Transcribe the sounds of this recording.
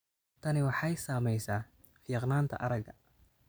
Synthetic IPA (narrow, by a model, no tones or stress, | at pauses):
t̪ʰɐnɪwɑħɑjsaːmɛjsaː | fiːqnaːnt̪ʰɐ̰ʔɐɾɐɡɐ̰